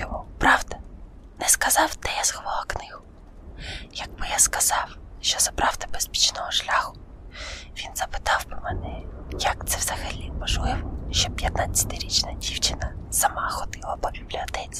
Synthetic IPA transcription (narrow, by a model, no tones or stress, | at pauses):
ɔmupɾɑwd̪ɐnɛskɐzɑwt̪ɛjashɔʋlˠaknɪhʊ | jɐɡbɪjaskɐzɑwʃt͡ʃɔzɐpɾɑwd̪ɪbespʲi̥t͡ʃnɔɦɔʃlʲaxʊ | ʋʲinzɐpɪ̥t̪ɑwpɪmɛnɛjɐkt̪sɛwzɐxɐlʲinpɔʒlɪwʃt͡ʃɔpʲjɐt̪̚nat͡sʲːɐ̥t̪ɪɾʲit͡ʃnɐdʲiwt͡ʃɪnɐsɐmɑxɔd̪ɪlˠɐbɔbʲiblʲɐt̪ɛt͡sʲ